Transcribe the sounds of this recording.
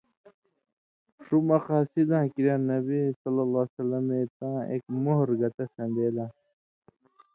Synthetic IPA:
ʂumɐxaːsid̪ãːkiɾjãːnɐbisɐlːɐlaːsɐlːɐmet̪ãːḛkmoɦɾɡɐt̪ɐsɐ̃nd̪eːlãː

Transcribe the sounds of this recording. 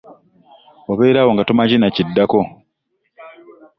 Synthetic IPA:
waβeiɾaːwoŋɡatomacinacidːako

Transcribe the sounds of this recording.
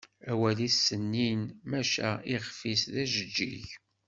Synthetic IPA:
æwælisːənːinmæʃæ̰iʁfisðæʒəd͡ʒːḭʝ

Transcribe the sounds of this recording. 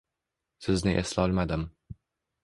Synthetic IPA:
sɪznɪʔḛslɒlˠmad̪ɪm

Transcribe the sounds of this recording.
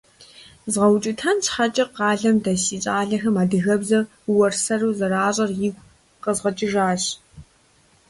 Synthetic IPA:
zʁɐwt͡ʃʼɪtʰɐnt͡ʃħat͡ʃʼɪqɑːɮɐmdɐsiːt͡ʃʼaːɮɐxɐmaːdɨɣɐbzɐr | uwɐrsɐruːzɐɾaːɕʼɐrjɪɡʷ | qəzʁɐt͡ʃʼɪʒaːɕ

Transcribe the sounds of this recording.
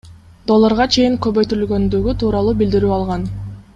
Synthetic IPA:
d̪o̞lˠːoɾʁɑt͡ʃʰe̞jiŋkø̞βø̞jt̪yɾylɡø̞nd̪yɡyt̪ʰuːɾɑlˠuːbild̪iɾyɑlˠʁɑn

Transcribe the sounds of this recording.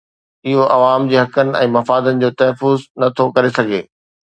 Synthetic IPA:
ɪɦoʔɐʋaːmd͡ʑiːɦɐkənɪ̆ɛ̰̃ːmɐfaːd̪ənɪ̆d͡ʑoːt̪ɐɦfʊznɐt̪ʰokɐɾesɐɡʱeː

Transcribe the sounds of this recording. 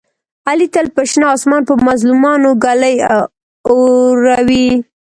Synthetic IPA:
alit̪əlpəʃnɑːsmɑnpəmazlumɑnoɡaləj | oɾawi

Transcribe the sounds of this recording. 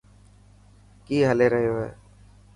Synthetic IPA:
kiːɦəleːɾəɦɪjoːɦḛː

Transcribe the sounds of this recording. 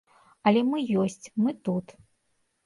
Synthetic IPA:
ɐlʲɛmɨjɔsʲt͡sʲmɨt̪ut̪

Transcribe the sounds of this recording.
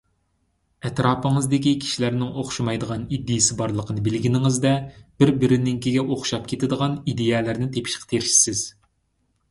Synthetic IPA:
ɛt̪ɾɑːpəŋɨzd̪ɪkʲikʲʰi̥ʃilæɾnɪŋoχʃmɑjd̪əʁɑnid̪ːɪjɪsɪbɑɾlˠəqʰənɨbɪlɡʲinɪŋɨzd̪ɛb̥ɪɾbɪɾɪnɪŋkʲiɡʲɛʔoχʃɑp̚kʲʰet̪ɪd̪əʁɑnid̪ejɛlæɾnɪt̪ʰepʰi̥ʃqʰt̪ʰeɾʃi̥sɪz̥

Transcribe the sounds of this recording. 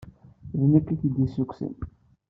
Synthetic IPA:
ðnækːiθid̪isːukːsə̰n

